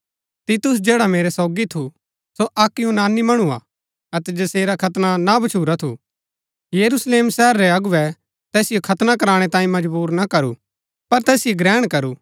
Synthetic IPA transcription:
t̪it̪ʊs̬d͡ʒeːɽameːɾɛsɔːɡit̪ʰu | soʔɐkːjũnaːnimɐɽ̃ua̰ | ɐt̪ɛd͡ʒɐseːɾakʰɐt̪nanabɐt͡ʃʰuːɾat̪ʰṵ | jɐɾusleːmsɛɦəɾːɛɐɡʊʋɛ | t̪ɛːsɪjokʰɐt̪nakɐɾaːɽ̃ɛt̪ãːĩmɐd͡ʒbuːɾnakɐɾṵ | pɐɾt̪ɛːsɪjoɡɾɛːɽ̃kɐɾu

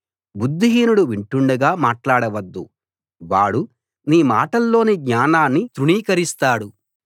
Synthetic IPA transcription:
bud̪ːiɦiːnuɽuʋiɳʈuɳɖɐɡaːmaːʈlaːɽɐʋɐd̪ːṵ | ʋaːɽu | niːmaːʈɐlːo̞ːniɡɲaːnaːnːit̪ɾuɳiːkɐɾist̪aːɽu

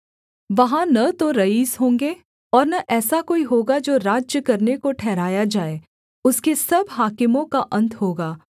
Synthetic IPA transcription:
ʋɐɦãnɐt̪oɾɐiːzɦõːŋɡeː | ɔːɾnɐʔɛːsakoːiɦoːɡad͡ʒoːɾaːd͡ʒjəkɐɾnekoʈʰɛːɾaːjad͡ʒaːe | ʊskesɐbɦaːkɪmõkaʔɐ̃nt̪ʰɦoːɡaː

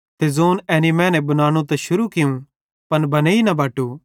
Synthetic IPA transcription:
t̪ezoːnɛːnimɛ̃ːnɛbɐnaːɽ̃ũt̪ɛʃʊɾukɪjũ | pɐnbʱɐneːinɐbʱaːʈu

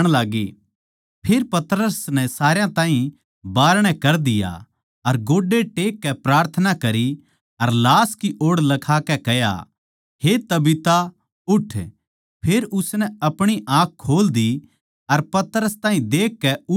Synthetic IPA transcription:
ɽ̃laːɡi | pʰeːɾpɐt̪ɾəsnɛsaːɾjãt̪ãːɦĩ | baːɾɽ̃ɛkɐɾd̪ɪja̰ | ɐɾɡoːɖeʈeːkːɛpɾaːɾt̪ʰənakɐɾi | ɐɾlaːskiʔoːɽlɐkʰaːkɛkɛja̰ | het̪ɐbɪt̪a | ʊʈʰ | pʰeːɾʊsnɛɐpɽ̃iʔaːkkʰːoːld̪i | ɐɾpɐt̪əɾəst̪aːɦĩd̪eːkːɛʊ

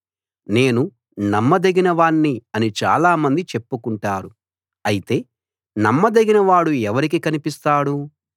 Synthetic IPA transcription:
ne̞ːnu | nɐmːɐd̪eɡinɐʋaːɳːiɐnit͡ʃa̰ːlaːmɐnd̪it͡ʃe̞pːukuɳʈaːɾu | ɐjit̪e̞ː | nɐmːɐd̪eɡinɐʋaːɽuɛʋɐɾikikɐnipist̪aːɽu

